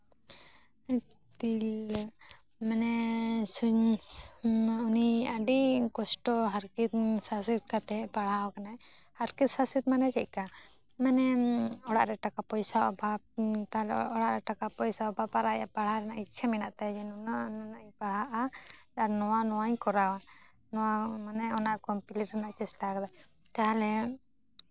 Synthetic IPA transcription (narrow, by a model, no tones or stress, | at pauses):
t̪il | manɛsuɲ | uniaɖikɔsʈɔɦaɾkit̪sasit̪̚kat̪ɛpaɽ̤akanaɛ | haɾkit̪sasit̪̚manɛt͡ʃɛc̚ka | manɛɔɽa̰ʔɾɛʈakapɔjsaa̰bʱat̪aɦlɛɔɽaʔɾɛʈakapɔjsaabapaɾajapaɽhaɾɛnaʔitːt͡ʃʰaminaʔt̪ad͡ʒɛnnanɔnaʔɲpaɽ̤aʔa | aɾnɔwanɔwaɲkɔɾawa | nɔwamanɛɔnaʔkɔpiliɾɛnaʔt͡ʃɛsʈakd̪a | t̪aɦlɛ